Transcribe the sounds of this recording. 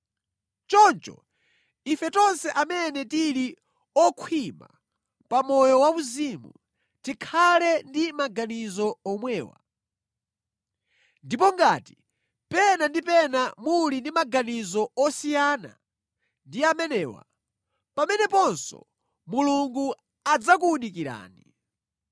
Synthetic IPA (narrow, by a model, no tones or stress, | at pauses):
t͡ʃɔnt͡ʃɔ̰ | ifɛtɔnsɛʔamɛnɛtiɾi | ɔkʰwima̰ | pamɔjɔwauzimṵ | tikʰalɛndimaɡanizɔɔmwɛːwa̰ | ndipɔŋɡati̥ | pɛnandipɛnamulindimaɡanizɔɔsijana̰ | ndiamɛnɛːwa̰ | pamɛnɛpɔnsɔ̰ | muluŋɡu | ad͡zak̬uːnik̬iɾa̰ːni